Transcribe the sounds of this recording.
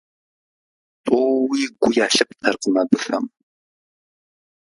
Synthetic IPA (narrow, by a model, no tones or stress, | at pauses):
tʼoːwiːɡʷʊjaːɬɐp̚tʰɐrqəmɐbɨxɐm